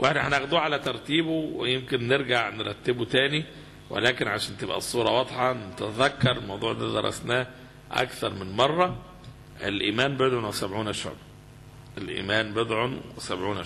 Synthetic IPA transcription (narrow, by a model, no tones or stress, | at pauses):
wʔeħnæhænʔæɣd̪uːʕalæt̪ɑɾˤt̪iːbowejemkenːeɾɡaʕneɾˤɑt̪ːebot̪æːni | wʔḛlæːkenʕaʃæːnt̪ebʔæ̰sˤːuːɾˤɑwɑd̪ˤħɑnet̪ææðækːɑɾˤelmɑwd̪ˤuːʕd̪æːd̪ɑ̰ɾˤːɑ̰snæː | ʔæ̰kθɑɾˤmenmɑrˤːɑ | ʔelʔiːmæːnbed̪ʕonwesæbʕuːnæʃo̰ʕb | ʔelʔḭːmæːnbed̪ʕonwwesæbʕuːnæ